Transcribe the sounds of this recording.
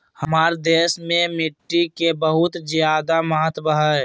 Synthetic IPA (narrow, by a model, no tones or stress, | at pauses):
həmaːɾd̪eːsmẽmɪʈːikebəɦʊt̪d͡ʒjaːd̪aməɦət̪bəɦə